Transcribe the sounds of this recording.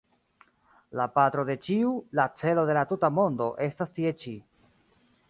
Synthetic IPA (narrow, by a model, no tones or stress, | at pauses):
lapatɾo̞de̞t͡ʃiulat͡se̞lo̞de̞latutamo̞ndo̞ʔe̞stastie̞t͡ʃi